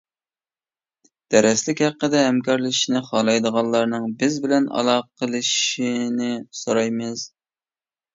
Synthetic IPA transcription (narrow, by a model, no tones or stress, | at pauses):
d̪̥æɾɛslɪkʲhæqːəd̪ɛɦɛmkʰɑɾlˠɨʃinɪχɑlˠɑjd̪əʁɑnˠlˠɑɾnɨŋbɪzbɪlɛnɑ̰lˠɑqʰəlˠɨʃinɪsoɾɑjmɨz